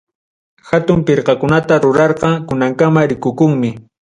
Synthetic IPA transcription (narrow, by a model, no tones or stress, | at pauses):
xat̪ʊmpɪɾqɑkʊnat̪aɾʊɾɑɾqɑkʊnaŋkamaɾɪkʊkʊŋmɪ